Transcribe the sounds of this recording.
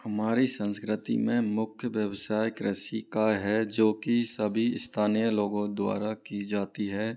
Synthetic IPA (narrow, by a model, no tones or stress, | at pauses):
hɐmaːɾisə̃nskɾɪt̪ḭmẽmʊkʰjəʋjəwsaːjɪkɾəsikaɦɛd͡ʒoːkisəbʱiɪst̪ʰaːnijəloːɡõd̪wa̰ːɾakid͡ʒaːt̪iɦɛː